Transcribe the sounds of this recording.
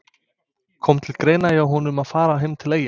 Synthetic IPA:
kʰɔmt̪ʰɪlkɾeːjnajawɦunʏmaðfaːɾaɦɪmt̪ʰɪleːja

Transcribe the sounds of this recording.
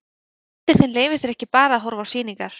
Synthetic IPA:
t̪ɪθenleːjvɪɾ̥θɛɾɛhcɪpaːɾaaðɦɔɾvaːwsiːniŋkaɾ̥

